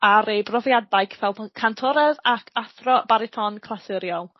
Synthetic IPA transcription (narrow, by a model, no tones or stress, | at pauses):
aɾebrɔvjadajkʰvɛlˠdkʰantʰɔɾɛðakʰaθrɔb̥aɾɪtʰɔnkʰlˠasɪɾjɔlˠ